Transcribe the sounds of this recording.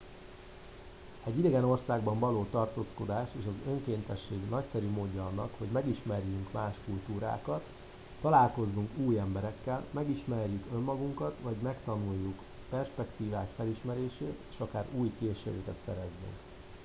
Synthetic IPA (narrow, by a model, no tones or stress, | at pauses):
ɛɟːid̪ɛɡɛno̞rsaːɡbɒɱvɒloːt̪ɒrt̪oːsko̞d̪aːʃeːʃɒzø̞ŋkeːnt̪ɛʃːeːɡnɒcsɛɾymoːɟːɒɒnːɒkho̞ɟmɛɡiʃmɛrjyŋkmaːʃkult̪uːɾa̰ːkɒt̪ː | ɒlaːlko̞zːuŋkuːjɛmbɛɾɛkːɛlmɛɡiʃmɛrjykø̞mːɒɡuŋkɒt̪ʋɒɟmɛkt̪ɒnujːuk | pɛrʃpɛkt̪iːvaːkfɛliʃmɛɾeːʃeːt̪e̥ːʃɒkaːɾuːjkeːʃḛːɾøkɛt̪sɛ̰ɾɛzːy̰ŋk